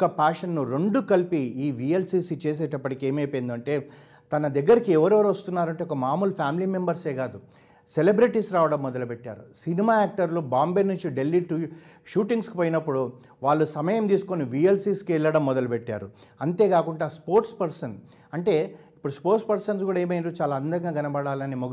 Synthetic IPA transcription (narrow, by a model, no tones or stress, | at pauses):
kɐpaːʂɐnːuɾe̞ɳɖukɐlpiiːʋielsiːsit͡ʃeːs̬eːʈɐpːɐʈike̞ːmɐjpɐjind̪uɐɳʈe̞ː | t̪ɐnɐd̪ɐɡːɐɾikiɛʋɐɾɛʋɾuʋɐst̪unːaːɾɐɳʈeɔkɐmaːmulpʰaːmiliːmembɐɾse̞ːɡaːd̪u | selebɾiʈisɾaːʋɐɽɐmːɔd̪ɐlupeʈːa̰ːɾusinimaːaːk̚ʈɐɾlubaːmbenuɲt͡ʃiɖe̞lːiʈu | ʃuːʈiŋɡsku̥poːjinɐpːuɽu | ʋaːɭːusɐmɐjɐmt̪iːsu̥koniʋielsiːskɛɭːɐɽɐmːɔd̪ɐlupeʈːa̰ːɾṵ | ɐnt̪e̞ːkaːkuɳɖaːspoːɾʈspɐɾsɐn | ɐɳʈe̞ːipːuɽuspoːɾʈspɐɾsɐnsɡuːɽaeːmɐjind̪ot͡ʃaːlaɐnd̪ɐŋɡaːɡɐnɐbɐɽaːlɐnimoɡ